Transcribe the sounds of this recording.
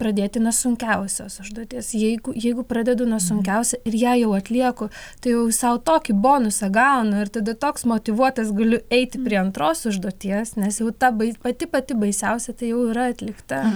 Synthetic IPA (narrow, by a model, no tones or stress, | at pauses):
pɾɐd̪ʲeːt̪ʲɪnuɔsʊŋʲkʲɛʊsʲoːsʊʒd̪uɔt̪ʲiɛsjɛɪɡʊjɛɪɡʊprɑd̪ʲɛd̪ʊnuɔsʊŋʲkʲɛʊsʲɛɪrjæːjɛʊɐt̪ʲlʲiɛkot̪ɐɪjɛʊsɐʊt̪oːkʲiboːnʊsɐɡɐʊnɐɪrt̪ɐd̪ɐt̪oːksmoːt̪ʲɪʋuɔt̪ɐsɡɐlʲʊɛɪt̪ʲɪpʲɾʲiɛɐnt̪ɾoːsʊʒd̪uɔt̪ʲiɛsnʲɛsjɛʊt̪ɐbɐɪpɐt̪ʲɪpɐt̪ʲɪbɐɪsʲɛʊsʲɛt̪ɐɪjɛʊiɾɐɐt̪ʲlʲɪkt̪ɐ